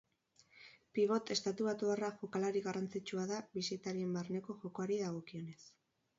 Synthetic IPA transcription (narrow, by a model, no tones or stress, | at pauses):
piβ̞o̞t̪e̞st̪at̪uβat̪uaraʝokalaɾiɣarant͡sit͡ʃuaðaβisit̪aɾie̞mbarne̞ko̞ʝo̞ko̞aɾiðaɣ̞o̞kio̞ne̞s